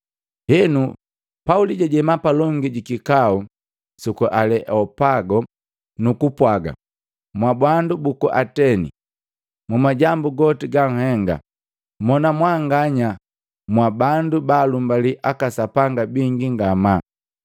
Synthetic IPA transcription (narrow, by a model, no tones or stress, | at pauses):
hɛnu | pauliɟaɟɛmapalɔŋɡiɟikikau | sukuʔalɛʔɔpaɡɔ | nukupwaɡa̰ | mwabwandubukuʔatɛnḭ | mumaɟambuɡɔtiɡaŋ̩hɛŋɡa̰ | mɔnamwaŋɡaɲa | mwabandubaːlumbaliʔakasapaŋɡabiŋɡiŋɡama